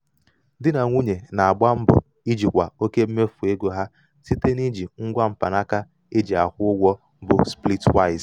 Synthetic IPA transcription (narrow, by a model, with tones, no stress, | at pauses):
dɪ˦na˨ŋʷu˦ɲe˨na˨a˨ɡ͡ba˦m̩˦bʊ̰˨ | i˦d͡ʒi˨kʷa̰˨o˦ke˦b̩˦me˦fu˨e˦ɡo˦ɦa˦ | si˦te˦ni˦d͡ʒi˨ŋ̩˦ɡʷa˦m̩˨pa̰˨na˦ka˦ | e˦d͡ʒi˨a˨kʷʊ˦ʊ˦ɡʷɔ˦ | bʊ˨spli˦twa˦ɪ˨z